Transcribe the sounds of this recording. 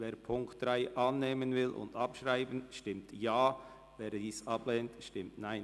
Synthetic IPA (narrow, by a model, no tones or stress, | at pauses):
veːɾpʰʊŋkt̚d̥ʁaɪʔɑnːeːmənvɪlʔʊ̰ndɑpʃʁaɪbənʃtɪmtjaː | veːɾdiːsɑblɛːntʃtɪmtnaɪn